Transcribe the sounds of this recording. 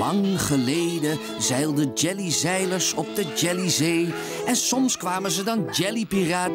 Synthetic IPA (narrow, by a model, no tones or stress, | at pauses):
ɑŋχəlejdə | zɛjlˠdəd͡ʒɛlizɛjləɹsɔb̚dəd͡ʒɛlizeːj | ɛnsɔmskʋaːmənzədɑnd͡ʒɛlipiraː